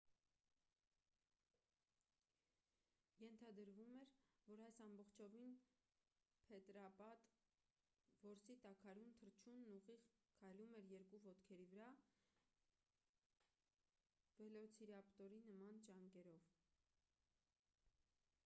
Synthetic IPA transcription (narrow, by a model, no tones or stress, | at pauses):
jɛnt̪ʰɑd̪əɾvumɛɾvɔɾɑjsɑmbɔχt͡ʃʰɔvin | pʰɛt̪ɾɑpɑt̪ | vɔɾsit̪ɑkʰɑɾunt̪ʰəɾt͡ʃʰunːuʁiʁkʰɑjlumɛɾjɛɾkuvɔt̪kʰɛɾivəɾɑ | vɛlɔt͡sʰiɾɑpt̪ɔɾinəmɑnt͡ʃɑŋkɛɾɔv